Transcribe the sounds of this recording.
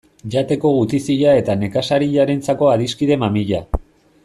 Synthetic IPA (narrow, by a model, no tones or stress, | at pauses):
ʝat̪e̞ko̞ɣut̪isiʎae̞t̪ane̞kasaɾiʎaɾent͡sako̞aðiskiðe̞mamiʎa